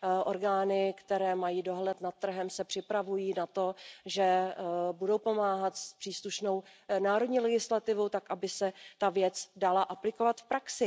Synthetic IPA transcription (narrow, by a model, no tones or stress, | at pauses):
ʔo̞ɾɡaːnɪkt̪ɛɾɛːmajiːdo̞ɦlɛt̪nat̪ːr̩ɦɛmsɛpr̥ɪpɾavujiːnat̪o̞ʒɛbudo̞wpo̞maːɦat̪spr̥iːsluʃno̞wnaːɾo̞dɲiːlɛɡɪslat̪ɪvowt̪akʔabɪsɛt̪avjɛt͡sdalaʔaplɪkovat̪fpɾaksɪ